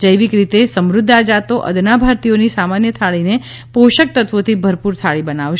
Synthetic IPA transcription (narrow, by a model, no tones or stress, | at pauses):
d͡ʒəjʋikɾit̪esəmɾʊd̪ʱːad͡ʒat̪oʔə̰d̪nabʱaɾt̪ijonisamanjət̪ʰaɭine | poʃək̚t̪ət̪ʋot̪ʰibʱəɾpuɾt̪ʰaɭibənaʋʃ